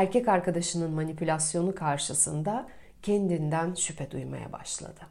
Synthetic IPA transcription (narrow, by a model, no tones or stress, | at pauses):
æɾcɛcaɾkad̪aʃɯnɯnmanipʰylʲasjo̞nukʰaɾʃɯsɯnd̪a | cʰend̪ind̪ænʃypʰɛd̪ujma̰ja̰ba̰ʃlˠa̰d̪̥ɯ